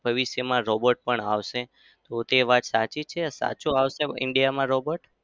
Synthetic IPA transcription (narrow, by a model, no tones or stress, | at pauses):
bʱəʋiʃjəmãɾɔbəʈ̚pəɳaʋʃe | t̪ot̪eʋat̪sat͡ʃit͡ʃʰesa̰t͡ʃuaʋʃeɪ̰ɳɖijamãɾobəʈ